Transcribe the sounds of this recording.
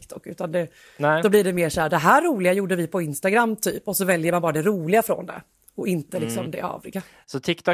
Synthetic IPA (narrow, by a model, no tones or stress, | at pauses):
kt̪ʰɔkːʉ̟ːt̪and̪ɛ | nɛd̪ɔblɪɖɛmeːʂɔhæːd̪ɛɦæːɾːuːlɪɡajuːɖəvɪpʰɔɪnst̪aɡɾamːt̪ʰy̰ːpɔsɔvɛljəmanbɑːɾad̪ɛɾuːlɪɡafɾɔ̰nd̪ɛ̰ | ɔʔɪnt̪əlɪksɔmd̪ɛ̰ʔɑ̰ːvɪɡa | sɔt̪ʰɪkt̪ʰɔ